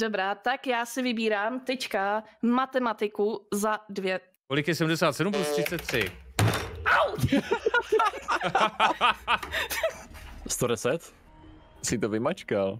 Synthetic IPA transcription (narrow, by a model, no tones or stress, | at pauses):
dobɾaːt̪akjaːsɪvɪbiːɾaːmt̪ɛt͡ʃkamat̪ɛmat̪ɪkuzadvjɛ | kolɪkjɛsɛdmdɛsaːt̪sɛdumplust̪rɪt̪t͡sɛt̪̚ːr̝̥ɪ | aw̪ | st̪odɛsɛt̪ | sɪt̪ovɪmat͡ʃkal